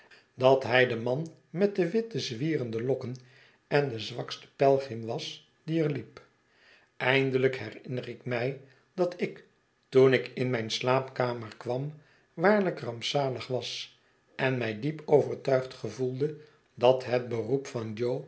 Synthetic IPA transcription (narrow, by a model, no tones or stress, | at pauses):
dɑtɦɛjdəmɑn | mɛt̚dəʋɪt̚əzʋiːrəndəlɔkən | ɛndəzʋɑkstə̥pɛlˠχɪmʋɑs | diəɹlip | ʔɛjndələkɦɛrɪnərɪkmɛj | d̥ɑtɪk | tunɪkɪnmɛjnslaːpkaːməɹkʋɑm | ʋaːɹləkrɑmpsaːləχʋɑs | ɛnmɛjdipowvəɹtœɥχtχəvulˠdə | dɑtɦət̚bərupfɑnd͡ʒow